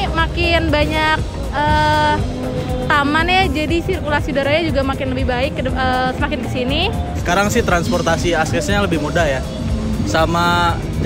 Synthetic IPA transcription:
makɪnbaɲak̚ | əː | t̪amanjad͡ʒadisirkulasiudaɾaɲad͡ʒuɡamakɪnləbɪhbaɪkːəːsəmakɪnkəsinisə̥kaɾaŋsɪht̪ɾanspɔrt̪asiaskɛsɲaləbɪhmudahja | sama

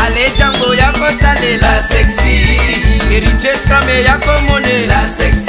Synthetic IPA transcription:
alet͡ʃamɡojakotanelaseksieɾid͡ʒeskamejakomonelaseks

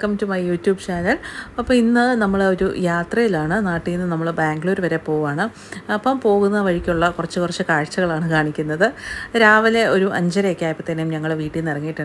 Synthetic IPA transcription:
kːɐmːɐtːumaːjɐjuːtjuːbt͡ɕaːnɐlɐpːɐminːɨnɐmːɐɭo̞ɾṵjaːt̪rɐjilaːɳɨnaːʈːijinːɨnɐmːɐɭbaːŋɡɨɭoɾuʋɐɾe̞po̞ːʋaːɳɨ | ɐpːɐmpo̞ːɣunːɐʋɐɻikʲːuɭːɐkurɐt͡ɕːɨkurɐt͡ɕːɨkaːɻt͡ɕːɐɣɐɭaːɳɨkaːɳikʲːunːɐðɨɾaːʋɐle̞o̞ɾuʔɐɲd͡ʑɐɾekʲːaːjpːɐt̪ːɐnejumɲɐŋːɐɭʋiːʈːinirɐŋːijʈːɐɳ

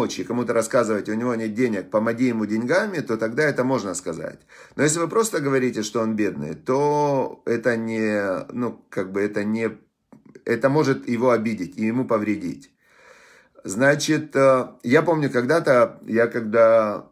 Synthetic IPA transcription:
ot͡ɕɪkɐmut̪əɾɐskazɨvətʲʊnʲɪvo̞nʲet̪̚dʲenʲɪk̚pəmɐɡʲijɪmʊdʲɪnʲɡamʲɪt̪o̞t̪ɐɡd̪aɛt̪əmo̞ʐnəskɐza̰tʲ | nojes̬ʲlʲɪvɨpɾo̞st̪əɡəvɐɾʲitʲɪʂt̪o̞o̞nbʲe̞d̪nɨ̰jt̪o̞ɛt̪ənʲɪnukaɡ̚bɨɛt̪ənʲɪ | ɛt̪əmo̞ʐɨt̪jɪvo̞ɐbʲidʲɪtʲɪjɪmupəvɾʲɪdʲḭtʲ | znat͡ɕɪt̪əjapo̞mnʲʊkɐɡd̪at̪əjakɐɡd̪a

